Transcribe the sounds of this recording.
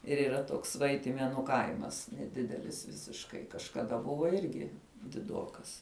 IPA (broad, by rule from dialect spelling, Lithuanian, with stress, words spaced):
ɪr iːˈrɐ ˈtoːks ˈʋɐɪtʲɪmʲeːnʊ ˈkɐɪmɐs nʲɛˈdʲɪdʲɛlʲɪs ʋʲɪsʲɪʃˈkɐɪ kɐʃkɐˈdɐ ˈbʊʋoː ˈɪrʲɡʲɪ dʲɪˈdoːkɐs